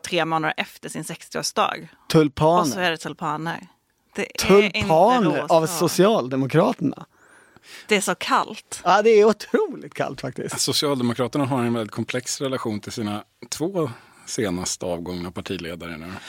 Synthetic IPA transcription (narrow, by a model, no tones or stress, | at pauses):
t̪ʰɾeːmoːnad̪ə̰ʔɛft̪əʂɪnsɛkst̪ɪo̰ːʂd̪ɑ̰ːɡ | t̪ʰɵlpʰɑːnɔæɖɛt̪ʰʊlpʰɑːnə̰ɾ | d̪̥ɛt̪ʰɵlpʰɑːnəɾavsʊsɪɑːld̪ɛmʊkʰɾɑːt̪əɳa̰ | d̥̪ɛæʂɔkʰa̰lt̪aːd̪ɛæɾʊt̪ʰɾuːlɪt̪kʰa̰lt̪fak̚t̪ɪ̰sksʊsɪɑːld̪ɛmʊkʰɾɑːt̪əɳaɦaɾɛnvɛld̪ɪt̪̚kʰɔmpʰlɛksɾɛlaɧuːnt̪ʰɪlsiːna | t̪ʰvoː | seːnast̪əɑːvɡɔŋnapʰaʈʰiːlḛːd̪aɾə̰nʉː